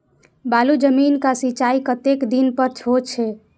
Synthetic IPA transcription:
balud͡ʒəminkasit͡ʃaikət̪ekd̪inpəɾt͡ʃʰot͡ʃʰe

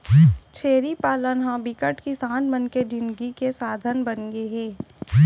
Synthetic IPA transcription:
t͡ʃʰeːɾipaːlənɦãbɪkəʈkisãːnmənked͡ʒɪ̃nɡikesaːd̪ʱənbənɡeɦɛ̃ː

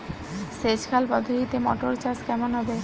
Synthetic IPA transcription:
set͡ɕkʰalpɔd̪ʱːoɦit̪emɔ̰ʈoɾt͡ɕaɾskɛmonɦɔbe

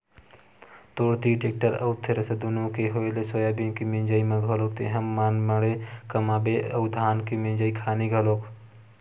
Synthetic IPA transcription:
t̪oːɽt̪iʈek̚ʈəɾə̰wt̪ʰeɾəsed̪unukeɦoelesojabinkimĩnd͡ʒaimeɡʱolok̚t̪ḛɦəmːaːnməɽekəmaːbeəwd̪ʱaːnkimĩnd͡ʒaikʰaːniɡʱəloːk

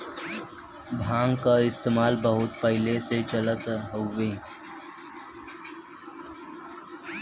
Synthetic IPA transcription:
bʱãːŋɡkaɪst̪eːmaːlbəɦʊt̪̚pəɦɪleset͡ʃələt̪ɦoʋeː

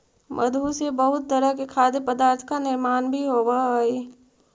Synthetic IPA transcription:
mə̰d̪ʱusebəɦʊt̪̚t̪əɾəɦkekʰaːd̪epəd̪aːɾt̪ʰkanɪɾmaːnbʱiɦoʋaɦe

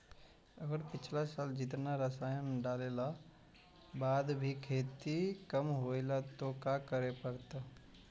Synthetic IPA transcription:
ɐɡəɾpɪt͡ʃʰlasaːld͡ʒɪt̪naɾɐsaːjənɖaːlela | baːd̪bʱikʰeːt̪ikəmɦoːelat̪okaːkəɾepəɾt̪a

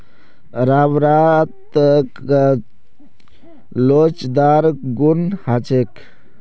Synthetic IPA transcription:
ɾawɾat̪k | lot͡ʃd̪aɾɡunhat͡ʃek

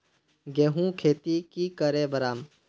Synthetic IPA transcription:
ɡeːɦũkʰeːt̪ikikəɾeːbɐɾaːm

